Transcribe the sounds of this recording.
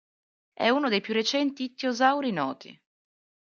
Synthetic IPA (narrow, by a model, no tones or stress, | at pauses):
ɛ̰unod̪ejpjurːet͡ʃɛnt̪it̪ːeozawɾinɔːt̪ʰḭ